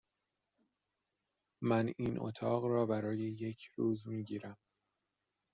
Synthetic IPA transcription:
mæninʔo̰t̪ʰɒːɣɾɒːbæɾɒːjeje̞cʰɾuːzmiːɟiːɾæm

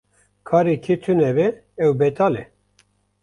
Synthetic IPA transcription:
kʰɑːɾekʰet̪ʰɨnɛbɛ | ɛwbɛt̪ɑːlɛ

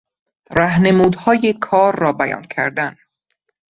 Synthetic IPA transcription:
ɾæɦne̞muːd̪hɒːjekʰɒːɾːɒːbæjɒ̰ːncʰæ̰ɾd̪æn

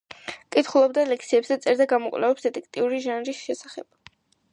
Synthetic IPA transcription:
kʼit̪ʰχulˠɔb̚d̪alɛk̚ʰtsʰiɛbzɛt̪sʼɛɾd̪aɡamɔkʼwlɛ̰vɛpsd̪ɛt̪ʼɛk̚ʰt̪ʼiuɾiʒanɾisʃɛsaχɛ̰b̥̚

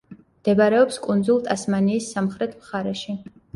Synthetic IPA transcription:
md̪̥ɛbaɾɛɔpskʼunzulˠt̪ʼasmaniːsːamχɾɛt̪ʰmχaɾɛʃi

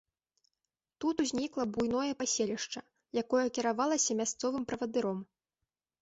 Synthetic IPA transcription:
t̪ut̪uzʲnʲiklˠɐbujnɔjɛpasʲelʲiʂt͡ʂɐ | jakɔjɐkʲiɾavalˠɐsʲɐmʲast̪sɔvɨmpɾɐvɐd̪ɨɾɔm

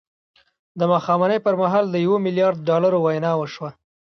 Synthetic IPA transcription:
d̪əmaxɑmanəjpəɾmaɦɑld̪əjawomɪljɑɾd̪̚ɖɑlaɾowajnɑwəʃwa

